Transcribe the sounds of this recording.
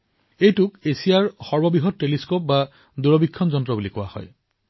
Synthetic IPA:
ejtukesijaɹxɔɹbɔbiɦɔd̚teliskop̚ba | d̪uɹɔbikʰːɔnd͡ʒɔntɾɔbulikua̰hɔ̰j

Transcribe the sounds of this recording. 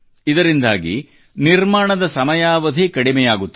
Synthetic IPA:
id̪ɐɾind̪aːɡḭ | niɾmaːɳɐd̪ɐsɐmɐjaːʋɐd̪ʱikɐɽimɛjaːɡut̪ː

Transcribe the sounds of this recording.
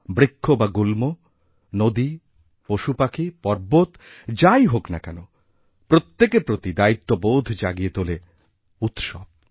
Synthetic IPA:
bɾikʰːobaɡulmo | nod̪i | poʃupakʰipɔɾbot̪d͡ʑajɦoknakɛno | pɾot̪ːekepɾot̪id̪ait̪ːobowd̪ʱd͡ʑaɡiet̪ole | ut̪ʃɔb̚

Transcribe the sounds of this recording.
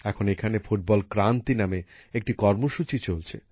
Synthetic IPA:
ɛkʰonekʰanefuʈ̚bɔlkɾant̪inameek̚ʈikɔɾmoʃut͡ɕit͡ɕolt͡ɕʰḛ

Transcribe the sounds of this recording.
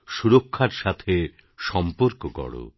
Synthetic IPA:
ʃuɾokʰːaɾʃat̪ʰe | ʃɔmpoɾkokɔ̰ɽo̰

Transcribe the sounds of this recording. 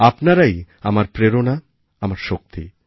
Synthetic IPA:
apnaɾaj | amaɾpɾeɾona | amaɾʃok̚t̪i

